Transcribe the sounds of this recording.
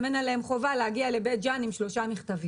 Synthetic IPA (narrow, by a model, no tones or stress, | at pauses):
menaleemχo̞valehaɡiale̞bet̪̚d͡ʒanimʃlo̞ʃamiχt̪avi